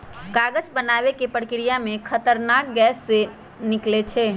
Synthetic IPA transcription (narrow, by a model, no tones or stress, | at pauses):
kaɡəd͡ʒbənaʋekepəɽkiɾijamẽkʰət̪əɾnak̚ɡɛsːe | niklet͡ʃʰɛ